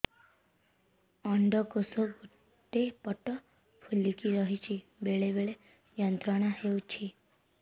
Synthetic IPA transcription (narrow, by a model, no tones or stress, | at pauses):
əɳɖəkosoɡu | t̪ːepəʈːə | fulːikiɾəɦit͡ɕibeɭebeɭe | jənt̪ɾaɽ̃aɦhewt͡ɕʰi